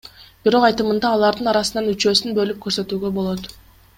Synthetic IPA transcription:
b̥iɾo̞qɑjt̪ɯmɯnd̪ɑːlˠɑɾd̪ɯnɑɾɑsɯnɑnyt͡ʃø̞ːsynbø̞lyp̚kʰøɾsø̞t̪yːɡø̞bo̞lˠo̞t̪

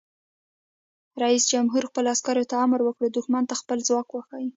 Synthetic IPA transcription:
ɾɑisd͡ʒamɦuɾxpəloaskɑɾot̪aamɾwəkɽod̪ʊxmant̪axpəlzwɑkwəxaji

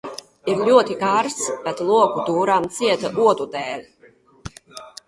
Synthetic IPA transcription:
iɾlʲuɔt̪ikaɾsbɛt̪lˠuɔkud̪uːɾamt̪siɛt̪aʔuɔd̪ud̪ɛːlʲ

